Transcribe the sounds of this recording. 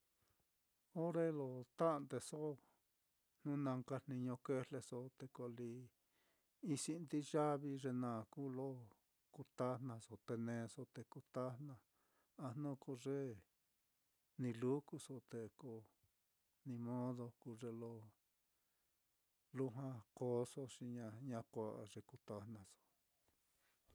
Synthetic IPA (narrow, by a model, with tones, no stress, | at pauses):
o˦ɾe˦lo˧t̪a˦˧nd̪e˧so˦ | n̥ũ˦nã˧ŋka˧n̥ĩ˧ɲõ˧ke˧le˧so˧t̪e˧ko˧li˧ | i˧si˧nd̪i˦ʒa˦βi˧ʐe˧nã˨ku˦lo˦ | ku˧t̪a˦nnã˧so˨t̪e˧nẽː˧so˧t̪e˧ku˧t̪a˦nã˧ | a˧n̥ũ˦ku˧ʐe˦ | nĩ˧lu˦ku˧so˧t̪e˧ko˧ | nĩ˧mõ˦ðo˧ku˧ʐe˧lo˧ | lu˦ɦwã˦˧ko˧˦so˧ʂi˧ɲã˧ɲã˧kʷa˧ʔa˧ʐe˧ku˧t̪a˧nã˧so̥˧